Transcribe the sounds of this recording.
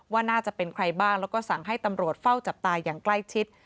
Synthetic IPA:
waː˥˩naː˥˩t͡ɕa˨˩pe˧nkʰɾa˧jbaː˥˩ŋlɛː˦˥wkɔː˥˩sa˨˩ŋɦa˥˩jt̪a˧mɾu˨˩ət̪̚fa˥˩wt͡ɕa˨˩p̚t̪aː˧jaː˨˩ŋkla˥˩jt͡ɕʰi˦˥t̪̚

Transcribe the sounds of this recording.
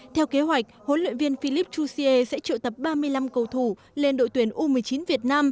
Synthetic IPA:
t̪ʰɛ˧wke˨˦ɦwa˨˩jk̟̚ho˨˦nlwḭ˧˨nvi˧ənfi˧li˦˥p̚t͡ɕu˧si˧ʔe˧sɛ̰˧˥t͡ɕə̰ː˧˨t̪ə˨˩p̚ɓaː˧mɨ˧əjla˧mkə˧˩wt̪ʰu˧˩ | le˧nɗo̰˧˨t̪wi˨˩ənʔu˧mɨ˨˩əjt͡ɕi˨˦nvi˨˩ət̚naː˧m

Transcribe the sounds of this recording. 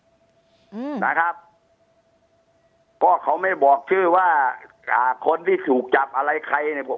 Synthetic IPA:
saː˧˦kʰa˦˥p̚ | kɔː˥˩kʰa˨˦˥wma˥˩jbɔː˨˩k̚t͡ɕʰɯː˥˩waː˥˩ | aː˨˧˩kʰo˧nt̪ʰiː˥˩t̪ʰuː˨˩k̚t͡ɕa˨˩p̚ʔa˧ɾa˧jkʰa˧jna˧˩˧

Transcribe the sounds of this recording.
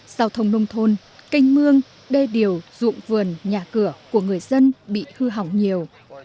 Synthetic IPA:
z̥aː˧wt̪ʰə˧wŋ͡mnə˧wŋ͡mt̪ʰo˧n | ka˧jŋ̟mɨ˧əŋ | ɗe˧ɗi˨˩əwzṵ˧˨ŋ͡mvɨ˨˩ənɲaː˨˩kɨ˧˩əku˧˩əŋɨ˨˩əjzə˧nɓḭ˧˨hɨ˧ɦa˨˩wŋ͡mɲi˨˩əw

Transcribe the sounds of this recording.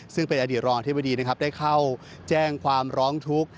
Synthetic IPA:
sɯ˥˩ŋpe˧nʔa˧diː˨˩t̪̚ɾɔː˧ŋʔa˧t̪̚ʰba˧diː˧na˦˥kʰa˦˥p̚daː˥˩jkʰa˥˩w | t͡ɕɛː˥˩ŋkʰwaː˧mɾɔː˦˥ŋt̪ʰu˦˥k̚

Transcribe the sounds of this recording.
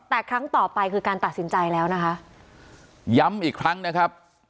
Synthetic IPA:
t̪ɛː˨˩kʰɾa˦˥ŋt̪ɔː˨˩pa˧jkʰɯː˧kaː˧nt̪a˨˩t̪̚si˩˦nt͡ɕa˧jlɛː˦˥wna˦˥kʰa˦˥ʔ | ja˦˥mʔiː˨˩kʰɾa˦˥ŋna˦˥kʰa˦˥p̚

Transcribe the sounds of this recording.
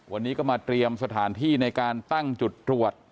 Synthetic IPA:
wa˧nːiː˦˥kɔː˥˩maː˧t̪ɾi˧əmsa˧t̪ʰaː˩˦nt̪ʰiː˥˩na˧jkaː˧nt̪a˥˩ŋt͡ɕu˨˩t̪̚ːɾu˨˩ət̪̚

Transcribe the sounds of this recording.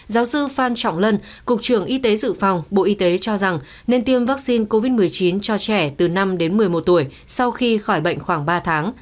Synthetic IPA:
zaː˨˦wsɨ˧faː˧nt͡ɕɔ̰˧˨wŋ͡mlə˧n | kʊ˨˩k͡p̚t͡ɕɨ˧˩əŋʔi˧t̪e˨˦zɨ̰˧˨fa˨˩wŋ͡mɓo̰˧˨ʔi˧t̪e˨˦t͡ɕɔ˧za˨˩ŋ | ne˧nt̪i˧əmvaː˦˥k̚si˧nko˧vi˦˥t̚mɨ˨˩əjt͡ɕi˨˦nt͡ɕɔ˧t͡ɕɛ˧˩t̪ɨ˨˩na˧mɗe˨˦nmɨ˨˩əjmo˨˩t̚t̪u˧˩əjsa˧wxi˧xɔ˧˩jɓə̰˧˨jŋ̟xwaː˧˩ŋɓaː˧t̪ʰaː˨˦ŋ

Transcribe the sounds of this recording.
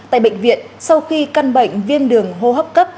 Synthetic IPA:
t̪a̰ː˧˨jɓə̰˧˨ŋ̟vḭ˧˨ənsa˧wxi˧ka˧nɓə̰˧˨jŋ̟vi˧ənɗɨ˨˩əŋɦo˧ɦəː˦˥p̚kə˦˥p̚

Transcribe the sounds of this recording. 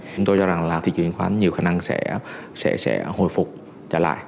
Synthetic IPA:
ʊ˨˦ŋ͡mt̪o˧jzɔ˧za˨˩ŋlaː˨˩t̪ʰḭ˧˨t͡ɕḭ˧˨ənxwaː˨˦nɲi˨˩əwxaː˧˩na˧ŋsɛ̰˧˥sɛ̰˧˥sɛ̰˧˥ho̰˧˨jfʊ˨˩k͡p̚ | t͡ɕə̰ː˧˩la̰ː˧˨j

